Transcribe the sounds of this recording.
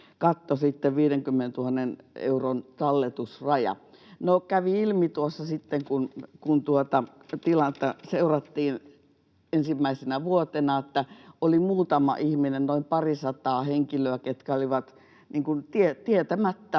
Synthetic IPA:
kɑt̪ːosit̪ːeʋʋiːɾeŋkymːenent̪uhɑnːenḛuront̪ɑlːet̪usrɑjɑ̰ | nokæʋiilmit̪uosːɑsit̪ːeŋkunkunt̪uot̪ɑ | t̪ilɑt̪ːæseurɑt̪ːiːn | ensimːæisenæʋuot̪enɑet̪ːæolimuːt̪ɑmɑ̰ʔihminennoimpɑrisɑt̪ɑːheŋkiløæket̪kæoliʋɑt̪ | niːŋkunt̪iet̪iet̪æmæt̪ːæ

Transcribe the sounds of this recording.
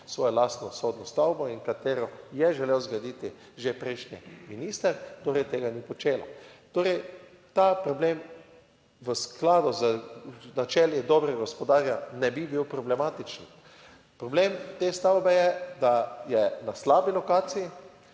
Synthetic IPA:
sʋɔːjɔlaːst̪nɔsoːd̪nɔst̪awbɔiŋkat̪eːɾɔjɛʒɛlewzɡad̪it̪i | ʒepɾɛjʃnḭminist̪əɾt̪oːɾɛjt̪eːɡanipɔt͡ʃeːla̰t̪oːɾɛj | t̪aːpɾɔbleːm | ʋəsklaːd̪ɔzənat͡ʃɛljɛd̪ɔbɾɛɡaɔspɔd̪aːɾjanɛbibiwpɾɔblɛmaːt̪it͡ʃn | pɾɔblemt̪est̪awbɛjɛd̪ajɛnaslaːbilɔkaːt̪siji

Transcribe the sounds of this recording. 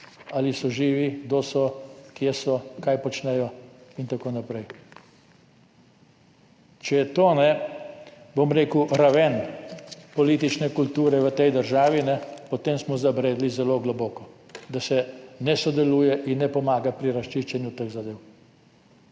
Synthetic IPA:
alisɔʒiːʋiɡd̪osɔkjesɔkajpɔt͡ʃnɛjɔint̪akoːnapɾɛj | t͡ʃɛjɛt̪oːnɛ | bomɾeːkuɾaʋɛn | pɔliːt̪it͡ʃnɛkult̪uːɾɛʋət̪ɛjd̪əɾʒaːʋinɛpɔt̪emsmɔzabɾeːd̪lizɛloɡlɔbɔːkɔ | d̪asɛnɛsɔd̪ɛluːjɛʔinːɛpɔmaːɡapɾiɾaʃt͡ʃiʃt͡ʃɛnjut̪əɣzad̪eːw

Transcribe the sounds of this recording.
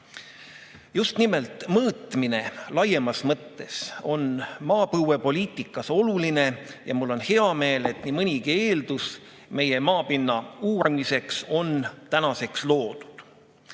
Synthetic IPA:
just̪nimelt̪ˑmɤːt̪ˑmine̞lɑje̞mɑsmɤt̪ːe̞so̞nmɑːpɤwe̞po̞lʲiːt̪ːˑikːˑɑso̞luline̞jɑ̰mulːo̞nhe̞ɑme̞ːle̞t̪ːˑnimɤnʲikie̞ːld̪us | me̞je̞mɑːpinːɑuːɾmise̞kso̞nt̪ænɑse̞kslo̞ːd̪̥u̥d̪̥

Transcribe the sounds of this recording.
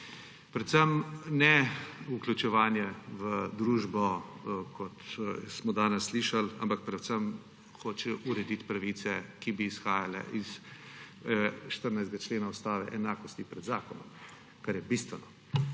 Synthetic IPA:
pɾɛt̪səmnɛuklʲut͡ʃɛʋaːnjɛʋəd̪ɾuːʒbɔkʰɔt̪smɔd̪aːnɛsːliʃala̰mpak̚pɾɛt̪səm | xoːt͡ʃɛʔuɾɛd̪it̪pɾaʋiːsɛkibiːsxaːjalɛ̰ʔis | ʃt̪əɾnajzd̪ɡat͡ʃleːnaust̪aːʋɛ̰ʔɛnaːkɔst̪ipɾɛd̪zaːkɔnɔm | kaɾjɛbist̪ʋɛnɔ

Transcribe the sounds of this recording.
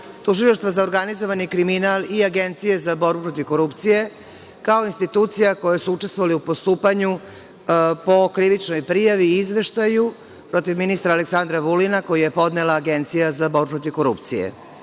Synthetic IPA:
t̪uʒilaʃt̪ʋazaoɾɡanizo̞ʋanikɾiminaliaɡent̪sije̞zabo̞ɾbupɾot̪ivko̞ɾupt̪sije̞ | kaoinst̪it̪uːt̪sijako̞jesuut͡ʃest̪ʋo̞ʋaliupo̞st̪uːpaɲu | po̞kɾiʋit͡ʂno̞jpɾijaʋiizʋe̞ʃt̪aju | pɾo̞t̪iʋminist̪ɾaːleksand̪ɾaʋulinako̞jije̞po̞d̪nelaːɡe̞nt̪sijazabo̞ɾbupɾo̞t̪ivko̞ɾṵpt̪sijḛ

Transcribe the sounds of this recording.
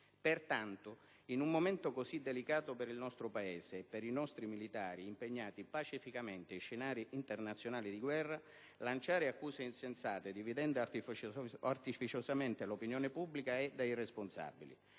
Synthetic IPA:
pert̪ant̪ʊ | inumːoment̪ʊkosid̪ːelikaːt̪ʊpeɾilnɔst̪ɾʊpaeːseɛpːeɾinɔst̪ɾimilit̪aːɾiːmpeɲːaːt̪ipat͡ʃifikament̪eʃːenaːɾiʔint̪ernat̪sjonaːlid̪iɡwɛrːa | lant͡ʃaːɾɪakːuːseinsensaːt̪ed̪ivid̪ɛnd̪ | art̪ifit͡ʃosament̪elopinjɔːnepubːlikaɛd̪ːairesponsa̰bːilḭ

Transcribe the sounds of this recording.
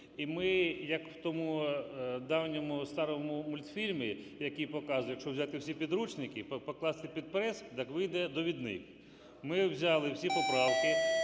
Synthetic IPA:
imɪjɐkwt̪ɔmu | d̪ɑwnʲɔmʊst̪ɑɾɔmʊmʊlʲt̪fʲilʲmʲi | jɐkʲijpɔkɑzʊjɐkʃt͡ʃɔwzʲat̪ɪwsʲipʲid̪ɾut͡ʃnɪkɪpɔklˠɑst̪ɪpʲid̪̚pɾɛskd̪ɑkʋɪjd̪ɛd̪ɔʋʲid̪nɪ̰k | mɪwzʲɑlˠɪwsʲipɔpɾɑwkɪ

